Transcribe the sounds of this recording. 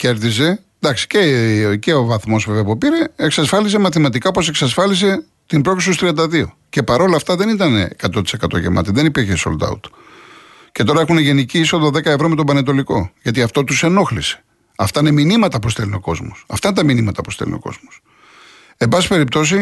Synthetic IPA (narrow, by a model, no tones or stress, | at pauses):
ce̞ɾðis̬e̞ | d̪ɐksi̥ceceovɐθmo̞zveveɐpopiɾe̞eksɐsfɐlis̬e̞mɐθimɐt̪ikɐopose̞ksɐsfɐlise̞ | t̪impɾo̞kisust̪ɾiɐnd̪ɐðio | ce̞pɐɾo̞lɐːft̪ɐðe̞nit̪ɐnḛːkɐt̪ot̪i̥se̞kɐt̪o̞̰ʝḛmʔɐ̰t̪iðenipiɾçeso̞̰ld̪ɐ̰ṵt̪u̥ | cet̪o̞ɾɐe̞xuneʝe̞niciiso̞ðɐðe̞kɐevɾome̞t̪obɐnet̪̬o̞likoʝɐt̪iɐft̪o̞t̪use̞no̞xlise̥ | ɐft̪ɐineminimɐt̪ɐpust̪elineo̞ko̞zmosɐft̪ɐinet̪ɐminimɐt̪ɐpust̪ḛlḭneoko̞̰zmos | ebɐsi̥pe̞ɾip̚t̪o̞s̬i